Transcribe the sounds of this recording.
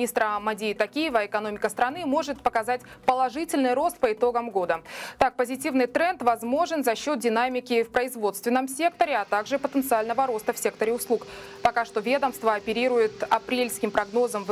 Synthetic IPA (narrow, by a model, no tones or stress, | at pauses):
ist̪ɾəmɐdʲeɪt̪ɐkʲijɪvəɪkɐno̞mʲɪkəst̪ɾɐnɨmo̞ʐɨt̪pəkɐzatʲpəlˠɐʐɨtʲɪlʲnɨjɾo̞st̪̚pəɪt̪o̞ɡəmɡo̞d̪ət̪ak̚pəzʲɪtʲivnɨjt̪ɾɛnt̪vɐzmo̞ʐɨnzɐɕːo̞t̪̚dʲɪnamʲɪkʲɪfpɾəɪzvo̞t̪st̪vʲɪnːəmsʲe̞kt̪əɾʲɪat̪aɡʐɨpət̪ənt̪sɨalʲnəvəɾo̞st̪əfsʲe̞kt̪əɾʲɪʊslˠuk | pɐkaʂt̪o̞vʲe̞d̪əmst̪vəɐpʲɪɾʲiɾʊjɪt̪ɐpɾʲelʲskʲɪmpɾɐɡno̞zəmv